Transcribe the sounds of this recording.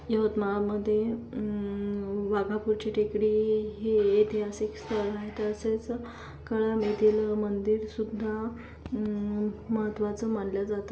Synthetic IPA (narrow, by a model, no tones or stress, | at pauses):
jəʋət̪maməd̪ʱːje | ʋaɡʱapuɾt͡ɕiʈʰikɽiɦeit̪iɦasikst̪ʰəɭaɦet̪əset͡s | kəɭamet̪iləmənd̪iɾsud̪ʱːa | məɦət̪ʋat͡səmanljad͡zat̪ə